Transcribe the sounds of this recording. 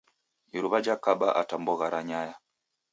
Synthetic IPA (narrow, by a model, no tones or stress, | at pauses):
iɾuβad͡ʒakaɓa̰ʔatambɔɣaɾaɲaja